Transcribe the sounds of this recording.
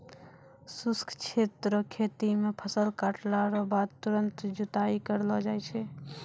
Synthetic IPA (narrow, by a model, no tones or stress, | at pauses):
suskʰt͡ʃʰet̪ɾəkʰet̪imepʰəsəlkaʈlaɾɔbad̪̚t̪uɾənt̪d͡ʒut̪aikəɾlɔd͡ʒajt͡ʃʰɛ